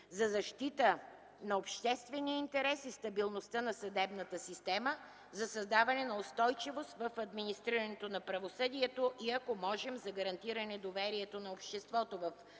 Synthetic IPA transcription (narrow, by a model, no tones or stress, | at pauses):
zɐzɐʃt̪it̪ə | nɐopʃt̪ɛst̪vɛnijəint̪ɛɾɛsist̪ɐbilˠnost̪ənɐsɐd̪ɛbnət̪əsist̪ɛmə | zɐsɐzd̪avɐnɛnɐost̪ɔjt͡ʃivost̪vəfɐd̪minist̪ɾiɾɐnɛt̪onɐpɾɐvosɤd̪iɛt̪oʔiɐkomɔʒɛmzɐɡɐɾɐnt̪iɾɐnɛd̪ovɛɾiɛt̪onɐopʃt̪ɛst̪vɔt̪ovɐf